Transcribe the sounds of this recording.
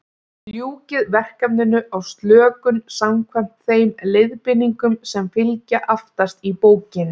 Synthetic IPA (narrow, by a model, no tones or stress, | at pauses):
ljuːcɪðvɛr̥kapnɪnːʏʔawst̪lœːkʏnsamkʰvɛm̥t̪θejmlɪðpɪnːiŋkʏmsɛmfɪlcaʔaft̪ast̪ipoːwcɪn